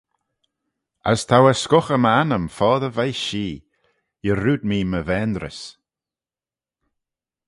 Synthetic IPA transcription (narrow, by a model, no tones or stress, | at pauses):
ə̰st̪ʰawəskʊxəmanəmfɔːðəvajʃiː | jəɾuːd̪̚miːməvɛːnd̪ɾə̰s